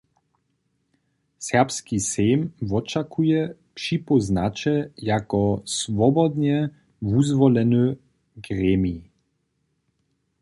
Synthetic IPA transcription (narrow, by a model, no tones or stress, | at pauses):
sɛʁpskisɛjmvɔt͡ʃakujɛpʃipɔznat͡ʃɛjakɔsvɔbɔd̪ɲɛ | vuzvɔlɛnø | ɡrɛːmii